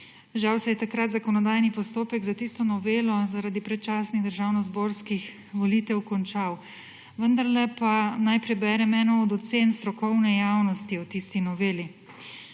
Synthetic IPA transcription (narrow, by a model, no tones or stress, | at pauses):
ʒawsɛjɛt̪akɾat̪zakɔnɔd̪ajnipɔst̪oːpɛɡzat̪ist̪ɔnɔʋeːlɔzaɾad̪ipɾɛt̪̚t͡ʃaːsniɣd̪əɾʒaːwnɔzboːɾskix | ʋɔliːt̪ɛwkɔnt͡ʃaw | ʋənd̪aɾlɛpanajpɾɛbɛːɾɛmɛnɔɔd̪ɔt̪seːnst̪ɾɔkɔwnɛjaːwnɔst̪iɔt̪ist̪inɔʋeːli